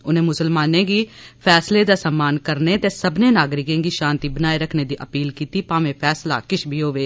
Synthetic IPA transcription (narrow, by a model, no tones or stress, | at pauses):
ʊnẽːmʊsəlmaːnẽːɡiːpʰɛːsleːd̪aːsəmːaːnkəɾneːt̪eːsəbnẽːnaːɡɾɪkẽːŋɡiːʃãːnt̪iːbənaːiɾəkʰneːd̪iːʔəpiːlkiːt̪iːpaːʋẽːpʰɛːsla̰ːkɪʃbʱiːɦoːʋeː